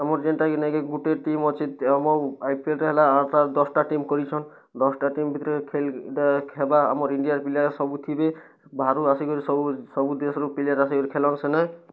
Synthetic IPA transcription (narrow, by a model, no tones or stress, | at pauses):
amɔɾd͡ʒenʈaɡinakeɡuʈeʈimɔt͡ʃʰit̪amɔajpielɾeɦelaaʈad̪ɔsʈaʈimkɔɾit͡ʃʰɔn | d̪ɔsʈaʈimbʱit̪ɔɾɔkʰelkʰebaa̰mɔɾiɳɖijaɾpiliaɾesɔbut̪ʰibe | bʱaɾuasiɡɔɾisɔbusɔbud̪esɔɾupiliaɾasiɡɔɾikʰelɔnsenaj